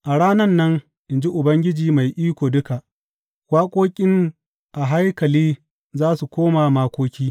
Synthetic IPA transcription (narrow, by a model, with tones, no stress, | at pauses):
ʔa˨ɽaː˦nɐ˦nːɐ˦ŋ | ʔɪ˨nd͡ʒi˦ʔʊ˨bɐ˦ŋɡʲɪ˦d͡ʒiː˨ma˨jʔiː˦kʷoː˨dʊ˦ka˨ʔ | kʷaː˦kʷʼoː˦kʲʼɪ˦ŋ | ʔa˨ɦa˦jkɐ˨liː˦ | zaː˦su˨kʷoː˦maː˨maː˦kʷoː˦kʲiː˦